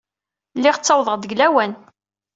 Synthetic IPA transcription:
lːɪʁət͡sːɑwðˤəʁd̪əɡlæwæn

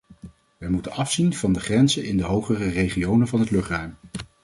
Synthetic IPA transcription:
ʋəjmutənɑfsinv̥ɑndəχrɛnzənɪndəɦowχərərejχiownənvɑnɦətlɵχtrœɥm

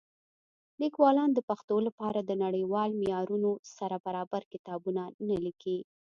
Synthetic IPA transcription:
likwɑlɑnd̪əpaxt̪olapɑɾad̪ənaɽəjwɑlmɪjɑɾunosaɾabaɾɑbaɾkɪt̪ɑbunanaliki

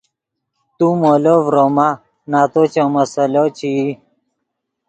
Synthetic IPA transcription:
t̪umolovɾoma | naːt̪ot͡ɕomɐsɐlot͡ɕi

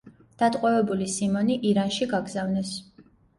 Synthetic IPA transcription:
d̪̥at̪ʼqʼwɛvɛbulisimɔniʔiɾanʃiɡaɡzavnɛs

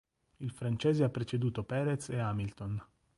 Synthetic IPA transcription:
ilfɾant͡ʃɛːzeapːɾet͡ʃed̪uːt̪opɛːɾet̪seamilt̪on

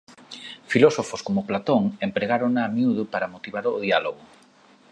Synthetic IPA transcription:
filosofoskomʊplat̪oŋempɾeɣaɾoŋaːmiuð̞ʊpaɾamot̪iβaɾʊðialoɣʊ

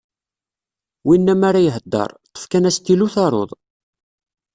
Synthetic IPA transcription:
winːæmaɾajəɦəd̪ːɑ̰ɾˤt̪ˤːə̥fkænæst̪ːiluθɑɾˤo̰ðˤ

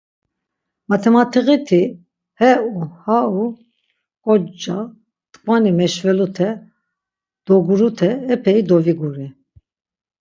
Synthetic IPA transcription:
mat̪ʰɛmat̪ʰiɣit̪ʰi | hɛuhau | kʼɔd͡ʒa | t̪ʼkʼvanimɛʃvɛlut̪ʰɛ | d̪̥ɔɡuɾut̪ʰɛːpʰɛid̪ɔviɡuɾi

